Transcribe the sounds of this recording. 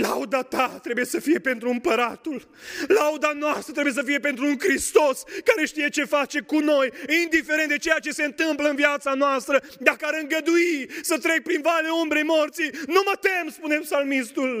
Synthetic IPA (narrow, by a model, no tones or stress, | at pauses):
la̰ud̪at̪at̪ɾe̞buje̞səfije̞pe̞nt̪ɾuɨmpəɾat̪ul | lawd̪anoast̪ɾət̪ɾebujes̬əfije̞pe̞nt̪ɾuːŋkɾist̪o̞skaɾe̞ʃt̪ije̞t͡ʃe̞fat͡ʃe̞kuno̞jind̪ifeɾe̞nt̪d̪et͡ʃe̞jat͡ʃe̞se̞ɨnt̪ɨmpləɨnvjat̪sanoast̪ɾəd̪akəaɾɨŋɡəd̪uisət̪ɾe̞k̚pɾinvaleumbɾejmo̞rt̪sinumət̪e̞mspune̞psalmist̪ul